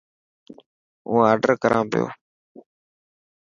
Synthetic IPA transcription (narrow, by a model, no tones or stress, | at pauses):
ũːaːɾɖəɾkəɾʔãːpɪjo̰ː